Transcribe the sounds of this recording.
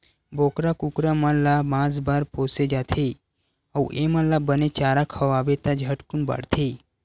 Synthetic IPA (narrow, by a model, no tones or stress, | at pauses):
boːkɾakukɾamãlamãːd͡zbaɾpoːsed͡ʒat̪ʰe | əwʔemãlabənet͡ʃaːɾakʰəʋaːʋet̪ad͡ʒʱəʈkunba̰ɽt̪ʰe